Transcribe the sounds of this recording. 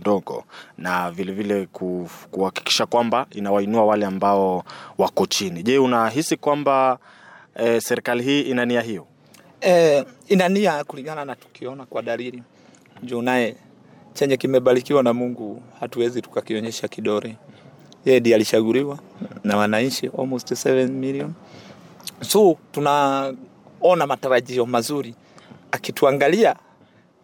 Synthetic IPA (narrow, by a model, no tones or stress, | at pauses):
ndɔɠɔ̰navilɛvilɛkukuhaki̥ki̥ʃakwambainawainuawalɛambaɔwakɔt͡ʃiniʄɛunaɦisikwamba | ɛsɛɾikaliɦiːʔinaniaɦijɔ | ɛinaniakuliŋɡananatu̥kiɔnakwaɗaliɾi | d͡ʒuːnajɛ | t͡ʃɛɲɛkimɛɓalikiwanamuŋɡuhatuwɛzitu̥kakiɔɲɛʃakiɗɔɾɛ | jɛɛɗialiʃaɡuliwanawanaɲt͡ʃiʔɔlmɔstsɛvɛnmiliɔn | sutuna | ɔnamataɾaʄiɔmazuɾi | akituaŋɡalia